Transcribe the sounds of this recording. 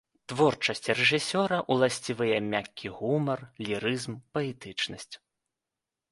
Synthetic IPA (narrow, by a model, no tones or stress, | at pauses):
t̪vɔrt͡ʂɐsʲt͡sʲrɛʐɨsʲɔɾɐʔulˠasʲt͡sʲivɨjɛmʲakʲːiɣumɐrlʲiɾɨzmpɐɛt̪ɨt͡ʂnɐsʲt͡sʲ